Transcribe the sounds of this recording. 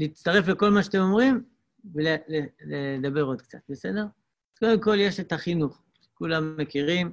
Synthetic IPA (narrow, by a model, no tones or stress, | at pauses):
liːt͡st̪aʁe̞fle̞ko̞lmaʃat̪emo̞mʁim | veleleled̪abe̞ʁo̞d̪kt͡sa̰t̪̚bese̞d̪e̞ʁ | ko̞d̪e̞mko̞lje̞ʃet̪aχinuχ | kulamːe̞kiʁim